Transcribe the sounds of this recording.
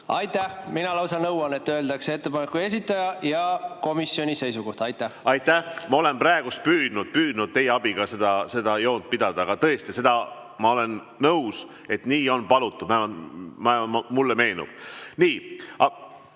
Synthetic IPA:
ɑjt̪ːæhminɑlɑwsɑnɤwwɑnet̪ːøːld̪ɑkse̞t̪ːepɑnekːˑue̞s̬ʲit̪ːˑɑjɑjɑko̞misjo̞nʲise̞jsuko̞ht̪ɑjt̪ːæhɑjt̪ːˑæhmɑo̞lenprɑeɡ̥ust̪̚pyːd̪̥nud̪̥̚pyːd̪̥nud̪̚t̪e̞jeɑbiɡ̥ɑse̞d̪ɑse̞d̪ɑjo̞ːnt̪̚pid̪̥ɑd̪ɑɑɡ̥ɑt̪ɤ̞est̪ise̞d̪ɑ | mɑo̞le̞nː | ɤws | e̞t̪niːo̞npɑlut̪ːˑud̥̪mɑmɑmulːeme̞ːnṵb̥niːɑ

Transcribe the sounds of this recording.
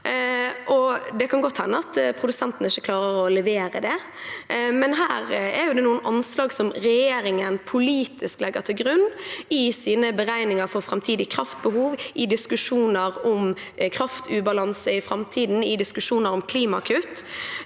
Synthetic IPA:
ʔɔd̪ɛkʰɑnɡɔt̪ːhɛnːəɑt̪pʰʁʊd̪ʉsɛnt̪n̩əɪçːəkʰlɑːɾəɾɔlɛʋeːɾə̰d̪ɛ | mɛnɦæːɾɛɾjʊd̪ɛnuːənʔɑnslɑːɡsɔmɾɛjeːɾɪŋənpʰʊliːt̪ɪsklɛɡːəʁt̪ʰɪlɡɾʉnːɪsiːnəbəʁæɪnɪŋəɾfɔʁfɾɑmt̪ʰiːd̪ɪkʰɾɑft̪̚bəhuːʋɪd̪ɪskʉʂuːnəɾɔm | kʰɾɑft̪ʰʉːbɑlɑnsəɪfɾɑmt̪ʰiːd̪n̩ɪd̪ɪskʉʂuːnəɾɔmkʰliːmɑɑkʰʉːt̪

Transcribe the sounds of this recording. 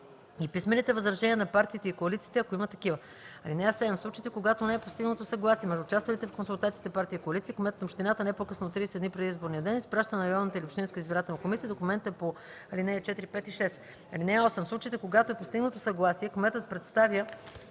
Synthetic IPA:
ipismɛnit̪ɛvɐzɾɐʒɛniənɐpaɾt̪iːt̪ɛikoɐlit̪siːt̪ɛɐkoimət̪ɐkivə | ɐlinɛasːɛd̪ɛmfslˠut͡ʃiit̪ɛkoɡat̪onɛɛpost̪iɡnət̪osɐɡlˠasiɛmɛʒd̪ʊːt͡ʃast̪vɐlit̪ɛfkonsulˠt̪at̪siːt̪ɛpaɾt̪ijəikoɐlit̪siəkomɛt̪ət̪opʃt̪ɛnat̪ənɛɛpokɤsnot̪ɾiːsɛd̪nipɾɛd̪izboɾnijəd̪ɛnispɾaʃt̪ənɐɾɛalnət̪əiliopʃt̪ĩnkəizbiɾat̪ɛlnɐkomisiəd̪okʊmɛnt̪ɛpo | ɐlinɛːt͡ʃɛt̪iɾipɛt̪iʃɛst̪ | ɐlinɛɔsɛmfslˠut͡ʃiit̪ɛkoɡat̪oɛpost̪iɡnət̪osɐɡlˠasiɛkomɛt̪ət̪̚pɾɛt̪st̪avjə

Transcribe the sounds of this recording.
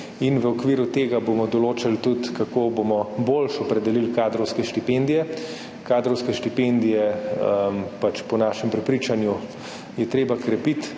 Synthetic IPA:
inʋəɔkʋiːɾut̪eːɡabomɔd̪ɔloːt͡ʃalt̪ut̪kakoːbomɔbolʃɔpɾɛd̪ɛlilkaːd̪ɾɔwskɛʃt̪ipend̪ijɛ | kaːd̪ɾɔwskɛʃt̪ipend̪ijɛəmpat͡ʃpɔnaːʃɛmpɾɛpɾit͡ʃanju | jɛt̪ɾeːbakɾɛpit̪

